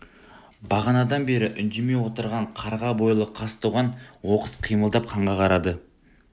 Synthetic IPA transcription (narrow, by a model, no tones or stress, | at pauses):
bɑʁɑnɑd̪ɑnbe̞ɾɪʔʏnd̪e̞me̞wo̞t̪əɾʁɑɴqʰɑɾʁɑbo̞jlˠəqʰɑst̪uʁɑnwo̞qəsqʰijməlˠd̪ɑp̚qʰɑɴʁɑqʰɑɾɑd̪ə